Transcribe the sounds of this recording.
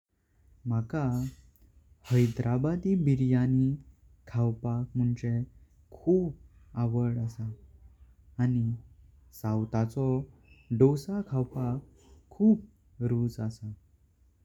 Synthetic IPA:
maka | həjd̪ɾʔabad̪ibiɾjani | kʰawpak̚m̤uɳt͡ɕe | kʰuːp̚ | aʋəɽasaː | ni | sãwt̪at͡sɔɖosakʰawpakʰː | uːp̚ | ɾuːd͡zasa

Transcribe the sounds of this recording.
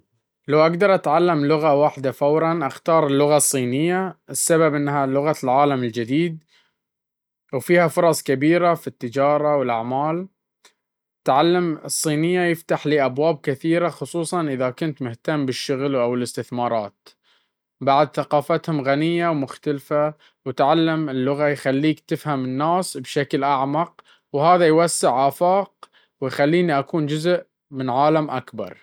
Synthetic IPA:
lawʔaɡd̪ɑɾˤʔat̪ʕalːamlʊɣawaːħd̪afawɾˤɑnʔaxt̪ɑːɾˤlːʊɣasˤːiːnɪjːaɪsːababʔɪnːɦalʊɣalʕaːlamɪld͡ʒɪd̪iːd̪̚ | wfiːhafʊɾˤɑsˤkabiːɾafit̪ːɪd͡ʒɑːɾˤɑwɪlʔaʕmaːl | t̪ʕalːamsˤːiːnɪjːajɪft̪aħliːʔabwaːb̚kɪθiːɾaxʊsˤuːsˤɑnʔɪðakʊnt̪mʊht̪amːbɪʃːʊɣlʔawɪlɪst̪ɪθmɑːɾˤɑːt̪ | baʕd̪θaqɑːfat̪hʊmɣanɪjːawmʊxt̪alfa | wɪt̪ʕalːamɪlːʊɣajxalːiːkt̪ɪfhamɪnːaːsbʃaklʔaʕmɑq̚ | whaːðajwasːɪʕʔaːfɑːq̚ | wɪjxalːiːniʔakuːnd͡ʒʊzʔ | mɪnʕaːlamʔa̰kbɑ̰ɾˤ

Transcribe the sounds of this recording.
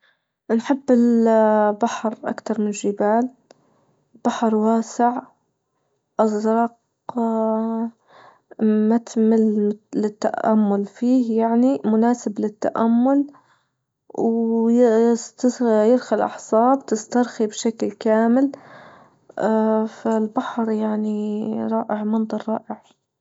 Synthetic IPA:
nħɪbːɪl | baħɾʔa̰kt̪ɑɾˤmɪnɪlʒɪbaːl | b̥aħɾˤwaːsɪʕ | ʔɑzˤɾˤɑq | mat̪mɪllɪt̪ːa̰ʔa̰mːʊlfiːhjaʕnimʊnaːsɪblɪt̪ːa̰ʔamːʊl | w | t̪jɪɾxalʔɑ̰ħsˤɑːbt̪ɪst̪ɑɾˤxibʃaklkaːmɪl | falbaħɾˤjaʕniɾˤɑːʔɪʕmɑnd̪ˤɑɾˤːɑːʔɪʕ

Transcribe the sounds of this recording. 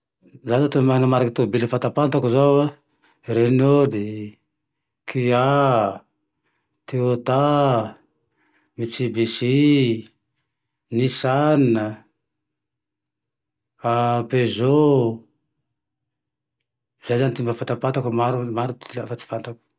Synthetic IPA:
zazat̪omanəmaɾakat̪obiləfant̪apant̪akuzawa | ɾenod̪i | kʰia | t̪eot̪a | mit͡sibisi | nisannə | apezo | zajzanit̪imbafant̪apant̪akumaɾumaɾut̪iafat͡si̥fant̪aku̥

